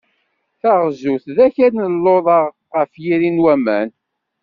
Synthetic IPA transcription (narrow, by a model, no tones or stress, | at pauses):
θæʁzuθðæçæɾnəlːoðˤɑʁ | ʁəfjiɾinwæmæ̰n